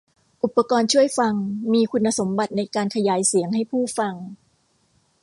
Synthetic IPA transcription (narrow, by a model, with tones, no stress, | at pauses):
ʔu˨˩pːa˧kɔː˧nt͡ɕʰu˥˩əjfa˧ŋmiː˧kʰu˧nːa˧so˩˦mba˨˩t̪̚na˧jkaː˧nkʰa˧jaː˩˦jsi˨˩˦əŋɦa˥˩jpʰuː˥˩fa˧ŋ